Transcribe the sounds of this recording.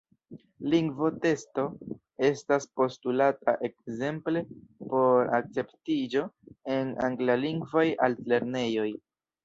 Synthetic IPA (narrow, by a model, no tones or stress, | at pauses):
liŋɡvo̞te̞sto̞ | e̞staspo̞stulata̰ʔe̞kze̞mple̞po̞ɾa̰k̚t͡se̞ptid͡ʒo̞e̞na̰ŋɡlaliŋɡvoja̰lle̞ɾne̞jo̞j